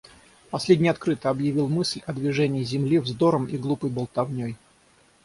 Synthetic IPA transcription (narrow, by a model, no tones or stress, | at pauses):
pɐsʲlʲedʲnʲɪjɐt̪kɾɨt̪əɐbjɪvʲilˠmɨsʲlʲɐd̪vʲɪʐɛnʲɪːzʲɪmlʲivzd̪o̞ɾəmiɡlˠupəjbəlˠt̪ɐvnʲoj